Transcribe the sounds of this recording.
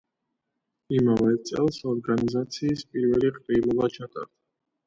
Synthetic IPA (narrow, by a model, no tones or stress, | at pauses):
imavɛt̪sʼɛ̰lˠsɔɾɡanizat̪sʰiːspʼiɾvɛliqʼɾilˠɔbat͡ʃʰat̪ʼa̰ɾd̪̥a